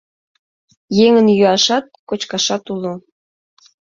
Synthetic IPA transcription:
jeŋənjyɑʃɑt̪̚kot͡ɕkɑʃɑt̪ulo

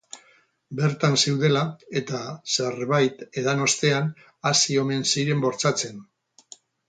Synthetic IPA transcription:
be̞ɾt̪ansewðe̞lae̞t̪ase̞rβajt̪e̞ðano̞st̪e̞an | asio̞me̞nsiɾe̞mbo̞ɾt͡sat͡se̞n

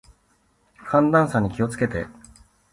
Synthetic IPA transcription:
kʰãnd̪ãɰ̃saɲ̟ikʲio̞t͡sɨ̥ke̞t̪e̞

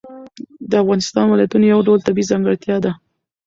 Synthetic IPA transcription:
d̪əafɣɑnɪst̪ɑnwɪlajat̪unojawɖawlt̪abizɑŋɡəɽt̪jɑd̪a

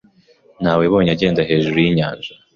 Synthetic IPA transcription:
n̥haːweβo̞ːɲaɟe̞ːndaɦe̞ːʒuɾujiɲaːnʒa

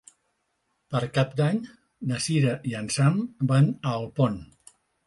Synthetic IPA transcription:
pəɾkap̚d̪aɲ | nəsiɾəʔiənsambanəːlˠpon

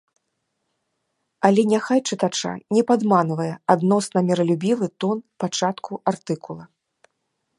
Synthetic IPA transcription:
ɐlʲɛnʲaxajt͡ʂɨt̪at͡ʂa̰nʲɛpad̪manvɐjɛad̪nɔsnɐmʲɛɾɐlʲubʲivɨt̪ɔnpat͡ʂat̪kuʔart̪ɨkulˠɐ

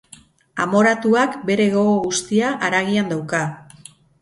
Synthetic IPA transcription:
a̰mo̞ɾat̪uakbe̞ɾe̞ɣoɣoɣust̪iaʔːɾaɣ̞iand̪awka

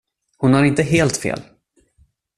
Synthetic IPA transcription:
hʊnhaɾɪnt̪əɦeːlt̪fḛːl

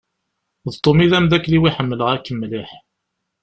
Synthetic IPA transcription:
ðt̪ˤːomiðæmðækːliwiħəmːələʁækːəmːliħ

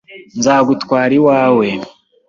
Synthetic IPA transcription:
nzaːɡutkwaːɾiwaːwe̞

